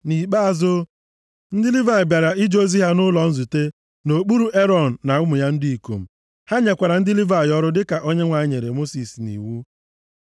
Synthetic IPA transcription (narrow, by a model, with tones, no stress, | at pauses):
ni˨k͡pa˦a˨zʊ˦ | n̩˦dɪ˦li˦va˨ɪ˨bja˨ɾa˨i˦d͡ʒo˦zi˦ɦa˦nʊ˦lɔ˨n̩˦zu˨te˦ | no˨k͡pu˦ɾu˦e˦ɾɔ˨n̩˨na˨ʊ˦mʊ˨ja˦n̩˦di˦i˨ko̰˨m̩˨ | ha˦ɲe˨kʷa˨ɾa˨n̩˦dɪ˦li˦va˨ɪ˨ɔ˦ɾʊ˦dɪ˦ka˨ʔo˦ɲe˦ŋʷa˨˦ɪ˦ɲe˨ɾe˨mo˦si˨snḭ˨wu˦